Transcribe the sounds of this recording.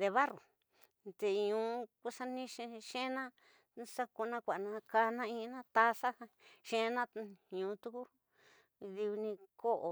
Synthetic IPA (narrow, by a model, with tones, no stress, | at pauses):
e˧βa˦ru˨ | t̪e˧ɲũ˨˧ku˧sa˦nĩ˦ʃẽ˧ʃẽ˦nã˦ | sa˦ko˧nã˧kʷa˨nã˧ka˧nã˦ĩ˦˧˦nã˦t̪a˦sa˦hã˧ʃẽ˧˦˧nã˦ɲũː˨˧t̪u˦ku˦ | ði˧u˧nĩ˧ko˦ʔo˨